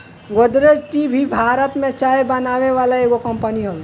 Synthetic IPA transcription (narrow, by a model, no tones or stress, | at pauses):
ɡod̪ɾed͡ʒʈibʱibʱaːɾət̪mẽt͡ʃaːebɐnaːʋeʋaːlaeɡokə̃mpəniɦol